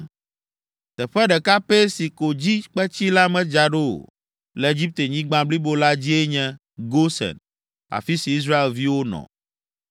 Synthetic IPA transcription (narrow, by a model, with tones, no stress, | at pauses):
t̪ɛ˨ɸɛ˦ɖɛ˨ka˦pe˦si˨ko˨d͡ʑi˦k͡pɛ˦t͡ɕi˦la˦mɛ̃˦d͡ʒa˨ɖo̰˦˨ | lɛ˨e˨d͡ʑi˦p̚t̪e˨ɲĩ˦ɡ͡bã˦bli˦bo˦la˦d͡ʑi˦e˦ɲɛ̃˦ | ɡo˦sɛ̰˨n | a̰˨fi˦si˨i˦s̬ɾa˦e˨lvi˦wo˦nɔ̰̃˨